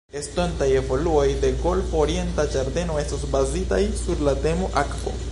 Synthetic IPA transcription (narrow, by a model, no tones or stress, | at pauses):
e̞stontaje̞vo̞luo̞jde̞ɡo̞lfoːɾie̞ntad͡ʒaɾde̞no̞e̞stosbazitajsuɾlate̞moʔakvo̞̰